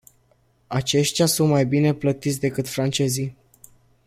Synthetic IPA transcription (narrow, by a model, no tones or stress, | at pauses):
at͡ʃe̞ʃt̪ʲjasunt̪majbine̞plət̪it̪sʲd̪e̞kɨt̪fɾant͡ʃe̞zij